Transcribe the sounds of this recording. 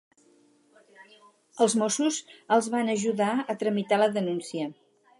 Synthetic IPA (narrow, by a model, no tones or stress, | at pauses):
əlˠzmosuzəlˠzβanəʒuðaət̪ɾəmit̪aləðənunsiə